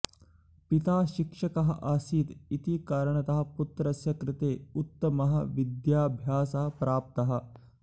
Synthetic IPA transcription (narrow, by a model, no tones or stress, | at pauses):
pit̪aːʃikʂɐkɐɦɐ̆ʔaːsiːt̪it̪ikaːɾɐɳɐt̪ɐɦɐ̆put̪ɾɐsjɐkɾɪt̪eːut̪ːɐmɐɦɐ̰̆ʋid̪jaːbʱjaːsɐɦɐ̆pɾaːp̚t̪ɐɦɐ̆